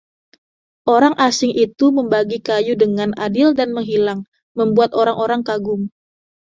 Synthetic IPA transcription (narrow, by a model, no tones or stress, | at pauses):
ʔoɾaŋʔasɪŋʔit̪uməmbaɡikajudəŋanadɪldanməŋɦilaŋ | məmbuat̪̚oɾaŋʔoɾaŋkaɡʊŋ